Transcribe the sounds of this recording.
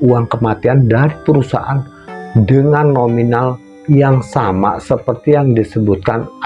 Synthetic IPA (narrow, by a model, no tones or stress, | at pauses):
uaŋkəmat̪iandaɾipəɾusa̰ʔan | dəŋanːominal | jaŋsama̰səpərt̪ijaŋdisəbut̪̚kan